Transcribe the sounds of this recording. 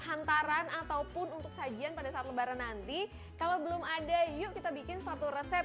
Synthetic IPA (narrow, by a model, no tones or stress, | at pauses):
hant̪aɾanat̪awpʊnunt̪ʊk̚sad͡ʒianpadasaːt̪̚ləbaɾanːant̪i | kalawbəlʊmadajʊkit̪abikɪnsat̪uɾəsɛp̚